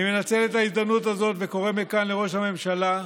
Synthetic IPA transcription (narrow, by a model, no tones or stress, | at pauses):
me̞nat͡se̞letaizd̪amnutazo̞tveko̞ʁemekanleʁo̞ʃhame̞mʃala